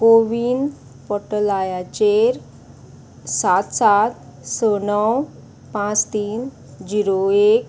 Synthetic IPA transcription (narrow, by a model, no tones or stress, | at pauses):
koʋin | pɔʈəlajat͡ɕeɾ | sat̪sat̪sɔnəw | pãt͡st̪iːn | d͡ʑiɾoek̚